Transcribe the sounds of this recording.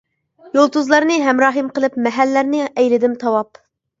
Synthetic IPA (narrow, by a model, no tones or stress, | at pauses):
jolˠt̪uzlˠɑɾnɨɦɛmɾɑːɦɨmqəlˠɨpmɛɦælːæɾnɪɛjlɪd̪ɪmt̪ʰɑwɑp